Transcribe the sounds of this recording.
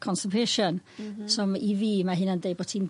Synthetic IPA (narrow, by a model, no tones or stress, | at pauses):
kʰɔnsəpʰeʃɔnsɔmiviːmaɦɨnəndejbɔtʰin